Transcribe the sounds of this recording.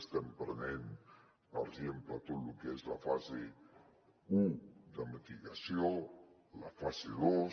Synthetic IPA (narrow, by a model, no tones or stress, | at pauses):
st̪ɛmpɾənen | paɾezemplat̪oðlukeezlafaze | ud̪əmət̪iɣasjo | lafazeðo